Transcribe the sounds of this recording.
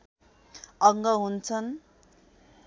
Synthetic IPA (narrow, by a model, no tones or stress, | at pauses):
ʌŋɡʌɦunt͡sʰʌn